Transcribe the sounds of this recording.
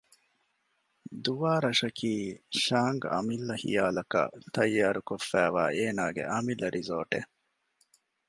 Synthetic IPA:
d̪uʋaːɾɐʂɐkʰiːʃaːŋɡɐ̰milːɐhḭjaːlɐkɐ̰t̪ɐjːaːɾukofːæːʋa̰ːeːnaːɡḛʔɐmilːɐɾʔizoːʈḛ

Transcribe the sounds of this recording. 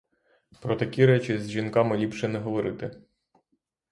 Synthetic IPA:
pɾɔt̪ɐkʲiɾɛt͡ʃizʲʒinkɑmɪlʲipʃɛnɛɦɔʋɔɾɪt̪ɪ

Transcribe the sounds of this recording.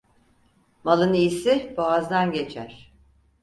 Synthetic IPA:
malˠɯniːsɪbaazd̪anɟe̞t͡ʃʰæɾ̥

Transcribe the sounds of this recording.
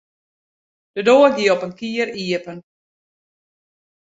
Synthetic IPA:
d̥ədoːəɡiəɔpənkiəriəpən

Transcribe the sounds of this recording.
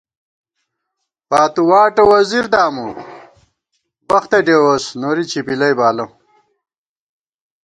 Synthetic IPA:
paːt̪uwaːʈɐwɐziɾd̪aːmu | bɐxt̪eɖeːwosnoːɾit͡ɕʰipilɐjbaːlɐm

